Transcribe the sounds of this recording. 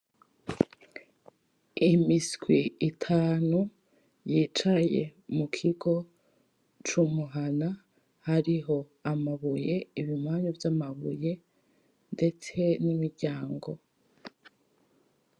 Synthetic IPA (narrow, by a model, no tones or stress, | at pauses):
imiskwiitʰaːnu | jiːt͡ʃajḛmukʰiɡo̞ | t͡ʃumuɦana | haɾiɦo̞ | amaβuje̞iβimaːɲuvjamaβṵje̞ | nde̞t͡se̞nimiɾɟaːŋɡo̞